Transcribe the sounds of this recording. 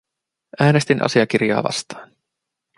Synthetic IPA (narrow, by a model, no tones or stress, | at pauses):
ʔæːne̞st̪inʔɑ̰siɑkirjɑ̰ːʋɑ̰st̪ɑ̥ːn